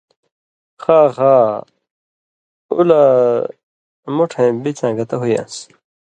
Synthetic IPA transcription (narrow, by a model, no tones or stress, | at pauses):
xaːxaː | ṵla | muʈʰẽbit͡ɕãːɡɐt̪ɐɦujã̰ːs